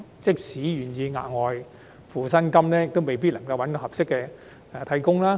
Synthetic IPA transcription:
t͡sɪ˥k̚siː˨˥jyː˨˩njiː˧ŋa̰ː˨t̚ŋɔː˨j | fuː˨˧sɐ˥nkɐ˥mlɛː˥jɪ˨k̚t̪o˥wme˨˩jp̬iː˥t̚lɐ˨˩ŋkɐ˧wɐ˨˥nt̪o˧wɦɐ˨p̚sɪ˥kːɛː˧ | ɛ˨˧t̪ʰɐ˧jkʊ˥ŋlaː˥

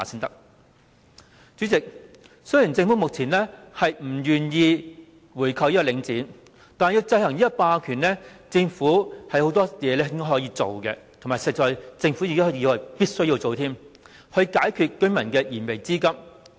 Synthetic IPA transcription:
aː˨˩sɪ˥ŋt̪ɐ˥k̚ | t͡syː˨˥t͡sɪ˨k̚ | sɵ˥jiː˨˩nt͡sɪ˧ŋfu˨˥mʊ˨k̚t͡sʰiː˨˩nlɛ˥hɐ˨jm̩˨˩jyː˨˩njiː˧ | wuː˨˩jkʰɐ˨wji˥kːɔ˥˧lɪ˨˧ŋt͡siː˨˥n | t̪aː˨n˨jiː˧wt͡sɐ˧jhɐ˨˩ŋliː˥jɐ˥paː˧kʰyː˨˩nlɛ˥t͡sɪ˧ŋfuː˨˥hɐ˨˩jho˨˥wt̪ɔː˥jɛː˨˧lɛː˥ɪ˥ŋkɔː˥hɔː˨˥jiː˧t͡so˨wkɛ̰˧t̪ʰmaː˨˩jsɛ˨t͡ʃɔː˨˧jt͡sɪ˧ŋfu˨˥ji˨t̪o˥˩jiː˨˧wɐ˨˩piː˥t̚sɵ˥ɥji˧wt͡so˨wt̪ʰiː˥m | hɵ˧ɥkaː˨˥jkʰyː˨˧t̚kɵ˥ŋmɐ˨˩nkɛː˧jiː˨˩nme˨˩jt͡siː˥kɐ˥m

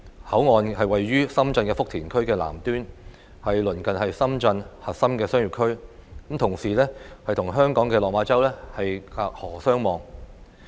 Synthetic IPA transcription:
hɐ˨˥wŋɔː˨nhɐ˨jwɐ˨jːyː˥sɐ˥mt͡sɐ˧nkɛː˧fʊ˥k̚t̪ʰiː˨˩nkʰɵ˥ɥkɛː˧la̰ː˨˩mt̪yː˥n | hɐ˨jlɵ˨˩nkɐ˨nhɐ˨jsɐ˥mt͡sɐ˧nhɐ˨t̚sɐ˥mkɛː˧sœː˥ŋjy˨˩kʰɵ˥ɥkɐ˨˥mt̪ʰʊ˨˩ŋsiː˨˩lɛː˥hɐ˨jt̪ʰʊ˨˩ŋɦœː˥ŋkɔː˨˥ŋkɛː˧lɔː˨k̚maː˨˧˥t͡sɐ˥wlɛː˥hɐ˨jkaː˧k̚hɔː˨˩sœː˥ŋmɔː˨˧ŋ

